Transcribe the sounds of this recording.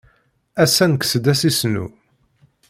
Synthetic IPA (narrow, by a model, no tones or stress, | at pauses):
æsænəkːsəd̪æsisnṵ